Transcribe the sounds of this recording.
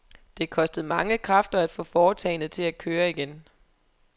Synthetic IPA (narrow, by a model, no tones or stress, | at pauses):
d̥e̝kʰɒ̽sd̥əð̩ˠmɑ̈ŋəkʰʁɑ̈fd̥ɐæd̥fɔ̰̽ːfɒːt͡sʰɛɪnð̩ˠt͡sʰe̝læ̥kʰøːɐiɡ̥en